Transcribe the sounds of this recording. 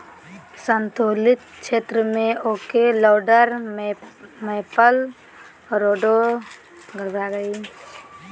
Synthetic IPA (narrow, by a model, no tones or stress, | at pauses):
sənt̪oːlɪt̪̚ʃeːt̪ɾəmẽʔoːkelɔːɖəɾ | meːpəl | ɾoːɖo | ɡəɾb̪ʱaɡəi